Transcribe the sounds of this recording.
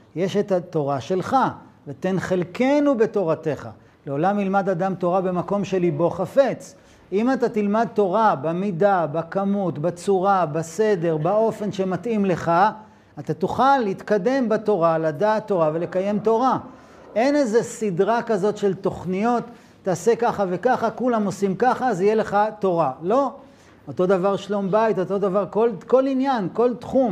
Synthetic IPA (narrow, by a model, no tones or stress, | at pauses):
jeʃet̪at̪o̞ʁaʃe̞lχavet̪e̞nχelke̞nube̞to̞ʁate̞χa̰ | leo̞lamnilmadad̪amt̪o̞ʁabemako̞mʃelibo̞χafet͡s | imat̪at̪ilmad̪̚t̪o̞ʁabemidabakamutbat͡suʁabase̞de̞ʁbao̞fe̞nʃe̞mat̪ʔimle̞χaː | t̪at̪uχalːit̪kade̞mbato̞ʁaladaːt̪ːo̞ʁave̞le̞kaje̞mt̪o̞ʁa | e̞nezesidʁakazo̞tʃe̞lt̪o̞χnijo̞tː | aːse̞kaχave̞kaχakulamo̞simkaχazijele̞χat̪o̞ʁalo̞ | ot̪o̞d̪avaʁʃlo̞mbait̪o̞t̪o̞d̪avaʁko̞lko̞linjanko̞lt̪χum